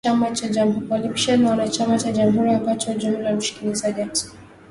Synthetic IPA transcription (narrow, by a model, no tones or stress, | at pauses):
amat͡ʃad͡ʒamukɔlipʃianːawanat͡ʃamat͡ʃaʄamɦuɾiambat͡ʃɔd͡ʒumulam̩ʃi̥kinizaʄati̥